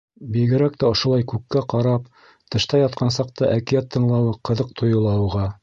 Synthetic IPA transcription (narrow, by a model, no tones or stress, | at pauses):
biɡɘ̆ɾækt̪æŏʃŏlˠɑjkʉkːæqɑɾɑp | t̪ɤ̆ʃt̪ɑjɑt̪̚qʰɑnsɑq̚t̪ɤʔækijæt̪ʰːɤ̆ɴlˠɑwɤqɤ̆ðɤq̚t̪ʰŏjɤ̆lˠɑwʁɑ